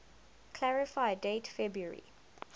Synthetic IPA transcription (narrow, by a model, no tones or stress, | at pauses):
kʰl̥aɹɪfaɪdetfɛbɹuəɹḭ